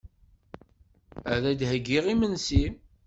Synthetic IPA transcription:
æðæd̪ɦəɡːiʁimənsi

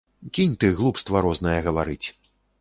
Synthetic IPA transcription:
kʲinʲt̪ɨɣlˠupst̪vɐɾɔznɐjɛɣɐvaɾɨt͡sʲ

